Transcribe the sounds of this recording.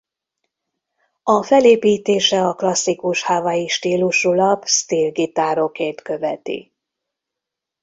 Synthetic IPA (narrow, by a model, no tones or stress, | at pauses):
ɒfɛleːpiːt̪eːʃɛɒklɒsːikuʃhaːvajiʃt̪iːluʃulɒbst̪iːlɡit̪aːɾo̞keːrt̪kø̞vɛt̪ḭ